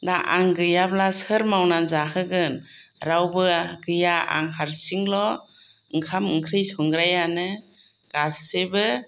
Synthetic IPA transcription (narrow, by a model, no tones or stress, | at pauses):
naʔaŋɡɯjablasɯɾmawnanzahɯɡɯnɾawbɯɡɯjaa̰ŋɦaɾsiŋlɔ | ɯŋkʰamɯŋkʰɾɯjsɔŋɡɾajanɯ | ɡ̥asebɯ